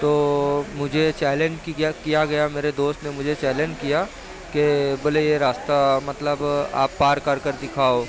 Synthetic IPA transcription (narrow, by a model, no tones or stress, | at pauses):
t̪oːmʊd͡ʒʱet͡ʃɛːlẽnd͡ʒkikijaɡɐjameːɾed̪oːst̪nemʊd͡ʒʱet͡ʃɛːlẽnd͡ʒkija | kebɐlejeɾaːst̪amɐt̪ləba̰ːpːaːɾkɐɾkɐɾd̪ɪkʰaːo